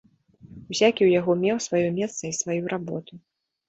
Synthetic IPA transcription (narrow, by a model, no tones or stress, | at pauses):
wsʲakʲiwjaɣɔmʲɛwsvajɔmʲɛst̪sɐisvajuɾʔabɔt̪u